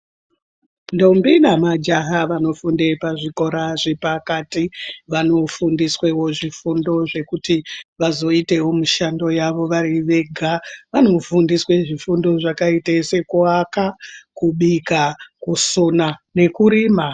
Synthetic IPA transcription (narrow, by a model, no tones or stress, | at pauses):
ndo̞mbinamad͡ʒaɦaʋano̞funde̞paʐiko̞ɾaʐepakatiʋano̞fundiswe̞wo̞ʐifundo̞ʐe̞kutiʋazo̞ite̞wo̞muʃando̞jaʋo̞ʋaɾiʋe̞ɡʱaʋano̞fundiswe̞ʐifundo̞ʐakaitese̞kuakakuɓikakusonane̞kuɾiːma